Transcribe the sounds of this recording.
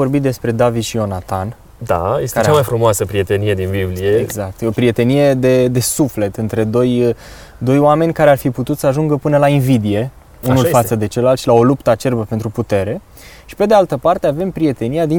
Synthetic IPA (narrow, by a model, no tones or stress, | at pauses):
o̞rbit̪̚d̪e̞spɾe̞d̪avid̪ʃio̞nat̪an | d̪a̰jestk̪aeɾet͡ʃamajfɾumoasəpɾie̞t̪e̞nije̞d̪inbiblie̞eɡzak̚t̪o̞pɾie̞t̪e̞nije̞d̪e̞d̪e̞sufle̞t̪ɨnt̪ɾe̞d̪o̞j | d̪o̞joame̞nʲkaɾearfiput̪ut̪səaʒuŋɡəpɨnəlainvid̪ije̞ | unulfat̪səd̪e̞t͡ʃelːalt̪ʃilao̞lupt̪əat͡ʃe̞rbəpe̞nt̪ɾuput̪e̞ɾe̞ | ʃi̥pe̞d̪ealt̪əpart̪eave̞mpɾije̞t̪e̞niad̪i